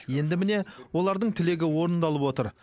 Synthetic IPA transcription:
je̞nd̪ɪmɪne̞wo̞lˠɑɾd̪əɴt̪ʰɪle̞ɡʲɪwo̞ɾənd̪ɑlˠəpwo̞t̪əɾ

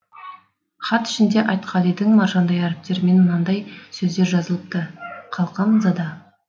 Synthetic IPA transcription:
χɑt̪ɪ̥ʃɪnd̪e̞ʔɑjt̪qʰɑlˠijd̪ɪŋmɑɾʒɑnd̪ɑjæɾɪp̚t̪e̞ɾme̞nmənɑnd̪ɑjsɵzd̪e̞ɾʒɑzəlˠəp̚t̪əqʰɑlˠqɑmzɑd̪ɑ

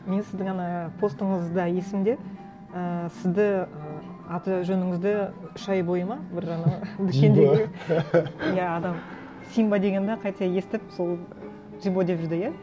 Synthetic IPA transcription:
me̞nsɪzd̪ɪŋɑnɑpʰo̞st̪əɴəzd̪ɑje̞sɪmd̪e̞ | əsɪzd̪ɪə | ɑt̪ʒɵnɪŋɪzd̪ɪʏʃɑjbo̞jəmɑbɪɾɑnɑd̪ʏkʲe̞nd̪eɡ | jæɑd̪ɑm | sijmbɑd̪e̞ɡʲe̞nd̪eqʰɑjt̪ɑje̞st̪ɪp̚so̞lˠ | ʒibo̞d̪eʒɪɾd̪ɪjæ

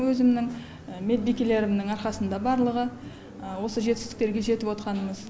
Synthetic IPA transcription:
wɵzɪmnɪŋ | me̞d̪̚bijkʲele̞ɾɪmnɪŋɑɾqɑsənd̪ɑbɑɾlˠəʁə | wo̞səʒe̞t̪ʲːɪ̥sɪkt̪e̞ɾɡʲe̞ʒe̞t̪ɪpwo̞t̪qɑnəməz̥

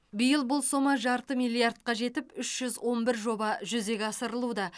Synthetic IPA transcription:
bɪjəlˠbʊlˠso̞mɑʒɑɾt̪əmijlʲˠjard̪̚qɑʒe̞t̪ɪpʏʃʒ̥ʏzwʔo̞nbɪɾʒo̞bɑʒʏze̞ɡʲɑsəɾəlˠud̪ɑ

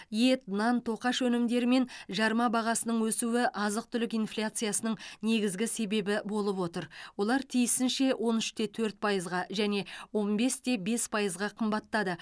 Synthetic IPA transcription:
je̞t̪nɑnt̪ʰo̞qɑʃɵnɪmd̪e̞ɾɪme̞nʒɑɾmɑbɑʁɑsənəɴwɵsuwɪʔɑzəq̚t̪ʰʏlɪkijnflʲat̪sɨjasənəɴne̞ɡʲɪzɡʲɪse̞be̞bɪbo̞lˠəpwo̞t̪əɾwo̞lˠɑɾt̪ʰijɪsɪnʃe̞wʔo̞nʏʃt̪e̞t̪ʰɵɾt̪̚pʰɑjəzʁɑʒæne̞wo̞nbe̞st̪e̞be̞spʰɑjəzʁɑqʰəmbɑt̪ːɑd̪ə

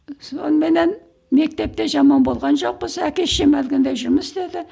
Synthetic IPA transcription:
so̞nəme̞ne̞n | me̞k̚t̪e̞p̚t̪e̞ʒɑmɑnbo̞lˠʁɑnʒo̞q̚pəzækʲeʃemælɡʲɪnd̪ejʒʊɾməsd̪ed̪ɪ

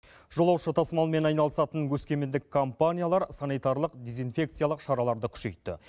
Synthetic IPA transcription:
ʒ̥o̞lˠɑwʃət̪ʰɑsmɑlˠme̞nɑjnɑlˠəsɑt̪əŋkʲʰɵskʲe̞mɪnd̪ɪkʰːompanʲijalˠɑɾsanijt̪aɾlˠəqd̪e̞zijnfʲe̞kt̪sɨjalˠəqʃɑɾɑlˠɑɾd̪əkʲʰʏ̥ʃe̞̰jt̪ːɪ̰

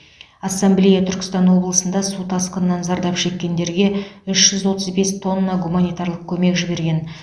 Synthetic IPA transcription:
ɑsːamblʲijat̪ʰʏɾkʲɪst̪ɑnwo̞blˠəsənd̪ɑsut̪ʰɑsqənənːɑnzɑɾd̪ɑpʃe̞kʲːe̞nd̪e̞ɾɡʲe̞ʏʃʒ̥ʏzwo̞t̪əzbe̞st̪ʰo̞nːɑɡumanijt̪aɾlˠəq̚kʲʰɵme̞kʒɪbe̞ɾɡʲe̞n

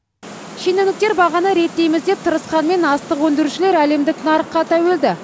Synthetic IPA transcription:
ʃenenɪk̚t̪e̞ɾbɑʁɑnəɾe̞t̪ːe̞jmɪzd̪e̞p̚t̪ʰəɾəsqɑnme̞nɑst̪əqwɵnd̪ɪɾuʃɪle̞ɾæle̞md̪ɪknɑɾəqːɑt̪ʰæwe̞ld̪ɪ

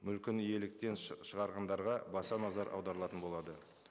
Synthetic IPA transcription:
mʏlkʲɪnije̞lɪk̚t̪e̞nʃəʁɑɾʁɑnd̪ɑɾʁɑbɑsɑnɑzɑɾʔɑ̰wd̪ɑɾəlˠɑt̪ənbo̞lˠɑd̪ə

